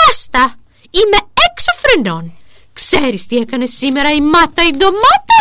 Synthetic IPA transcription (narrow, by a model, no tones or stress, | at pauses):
ast̪ɐ | imɛɛksofɾɛnɔn | ksɛɾist̪iɛkɐnesimeɾɐimat̪ɐid̪omat̪ɐ